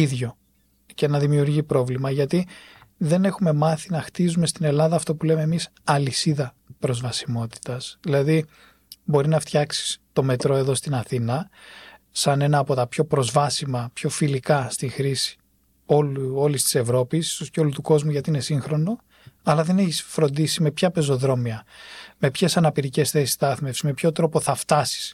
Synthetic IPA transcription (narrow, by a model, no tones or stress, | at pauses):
iðʝo̞ | ce̞nɐðimiuɾʝipɾo̞vlimɐʝɐt̪iðe̞ne̞xume̞mɐθinɐxt̪izume̞st̪ine̞lɐðɐːft̪opule̞me̞ːmis | ɐlisiðɐ | pɾo̞zvɐsimo̞t̪i̥t̪ɐsðilɐði | bo̞ɾinɐft̪çɐksi̥st̪o̞me̞t̪ɾo̞e̞ðo̞st̪inɐθinɐ | sɐne̞nɐːpo̞t̪ɐpço̞pɾo̞zvɐsimɐpço̞filikɐst̪ixɾisi̥ | olo̞list̪i̥se̞vɾo̞pist̪osceo̞lut̪uko̞zmuʝɐt̪iine̞siŋxɾo̞no̞ | ɐlɐðe̞neçisfɾo̞nd̪isime̞pçɐpe̞zo̞ðɾo̞miɐme̞pçe̞sɐnɐpiɾice̞sθe̞si̥stɐɐɐθmefsme̞pço̞t̪ɾo̞po̞θɐft̪ɐsi̥s